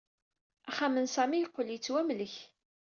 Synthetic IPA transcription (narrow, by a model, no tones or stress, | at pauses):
æχamənsæmijəqːəljət͡sːwæmləç